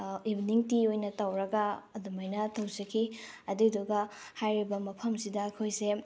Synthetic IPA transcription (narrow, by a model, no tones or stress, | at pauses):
ibiniŋtiojnɐtɐwɾɐɡɐɐdumɐjnɐtɐwsɐkʰiɐduduɡɐhajɾibɐmɐpʰɐmsidɐːkʰojse